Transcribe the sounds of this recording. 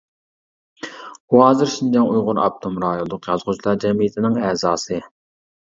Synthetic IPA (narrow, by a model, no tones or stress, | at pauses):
uɦɑːzɨɾʃind͡ʒɛŋujʁʊɾɑ̰p̚t̪ʰumɾɑːjolˠʊqjɑzʁʊt͡ʃlˠɑɾd͡ʒɛmijɪt̪ʰɪnɪŋɛːzɑːsɨ